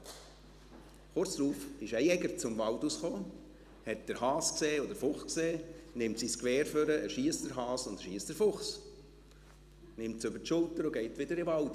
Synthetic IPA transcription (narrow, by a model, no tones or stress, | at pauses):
χʊɾt͡sd̥ɾuːfɪʃɛjɛɡəɾt͡sʊmvɑldusχoː | hɛt̚d̥əɾhɑːskseːɔdəɾfʊχkseːnɪmtsiskʋɛːɾføɾəʔəʃiəstəɾɦɑːsʊnd̪əʃiːəstəɾfʊχs | nɪmtsøbəɾtʃʊltəɾoɡɛɪtʋɪdəɾɪʋɑld